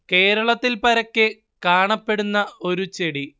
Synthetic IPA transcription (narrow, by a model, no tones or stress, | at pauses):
ke̞ːɾɐɭɐt̪ːilpɐɾɐkʲːɨ | kaːɳɐpːe̞ɽunːɐo̞ɾut͡ɕe̞ɽi